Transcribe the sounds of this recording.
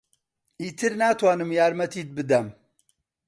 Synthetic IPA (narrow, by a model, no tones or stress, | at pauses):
iːt̪ʰɨɾnaːt̪ʰwaːnɨmjaːɾmɐt̪ʰiːt̪̚bɨd̪ɐm